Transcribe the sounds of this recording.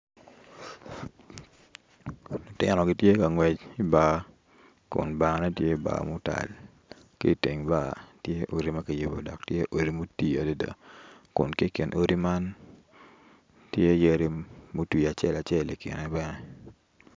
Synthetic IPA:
no˨tɪ˦nɔ˨ɡɪ˦tje˦ka˨ŋwɛ˨t͡ʃi˦ba˦ | kʊ̰˨nba˨ŋ˦nɛ˦tje˦˨ba̰˨mʊ˦ta̰˨l | kḛ˦i˨te˨ŋba˦˨tje˦ʔo˨ɾi˦ma˦ki˨je˨bo̰˨dɔ˨k̚tje˦ʔo˨ɾi˦mo˦ti˦a˨do˦da̰˨kʊ̰˨nke˦˨kɪ˨nʔo˦ɾi˦ma˦n | tje˦je˦ɾi˦mo˦ti˨a˨t͡ʃɛ˦la˨t͡ʃɛ˦˨li˨kɪ̰˨nɛ˦bɛ˦nɛ˦

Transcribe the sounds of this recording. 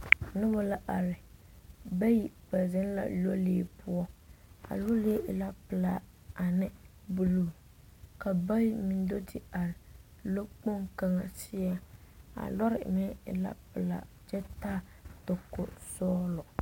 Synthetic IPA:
nɪ˦bɔ˦la˦ʔa˨ɾɪ˨ | ba˦ji˦pa˨zɪ˦n˦la̰˦lo˦leː˦pʊ˦ɔ˦a̰˨lo˦le˦ʔɪ˨la˦pɨ˨la˨ | a˨nɪ˦ | bu˨luː˦˨ | ka˨ba˦mi˨n˦do˦dɪ˦a˨ɾɪ˨ | lo˦k͡po˦ŋka˦ŋa˨sɪ˦a˦a̰˨lɔ˦ɾɪ̰˨mɪ˦ɪ̰˨la̰˦pɪ˨la̰˨ | d͡ʒɛ˦taː˦ | to˨kːo̰˨sɔː˦lɔ˨

